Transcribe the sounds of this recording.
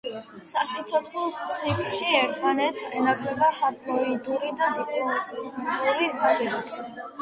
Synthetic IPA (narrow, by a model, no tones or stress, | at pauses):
sasit̪sʰɔt̪sʰχlɔssikʼʃiɛɾt̪ʰmanɛt̪sʰɛnakʰʼlɛbaχat̪ʼlɔid̪uɾid̪ad̪ipʼɔd̪d̪uɾiɡzii